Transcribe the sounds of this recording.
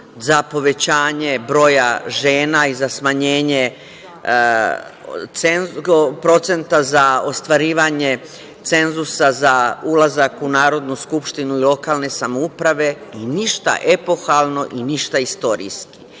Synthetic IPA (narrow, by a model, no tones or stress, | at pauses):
zapo̞ʋe̞t͡ɕaːɲe̞bɾo̞ːjaʒe̞ːnaizasmaɲe̞ːɲe̞ | enpɾo̞t̪se̞nt̪azao̞st̪ʋaɾiːʋaɲe̞ | t̪se̞nzusazaulˠazakunaːɾo̞d̪nuskupʃt̪inuilˠo̞kaːlˠne̞samoupɾaʋe̞iniʃt̪a̰ʔe̞po̞xalˠno̞ʔiniʃt̪aist̪o̞ɾḭski̥